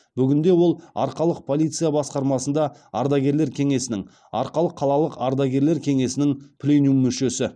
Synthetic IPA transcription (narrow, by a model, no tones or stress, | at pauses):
b̥ʏɡʲɪnd̪e̞wo̞lˠɑ̰ɾqɑlˠəq̚pʰo̞lʲijt̪sɨjabɑsqɑɾmɑsənd̪ɑɑɾd̪ɑɡʲe̞ɾle̞ɾkʲʰe̞ŋe̞sɪnɪŋ | ɑ̰ɾqɑlˠəqʰːɑlˠɑlˠəqɑɾd̪ɑɡʲe̞ɾle̞ɾkʲʰe̞ŋe̞sɪnɪŋpʰlʲenjumːʏʃe̞sɪ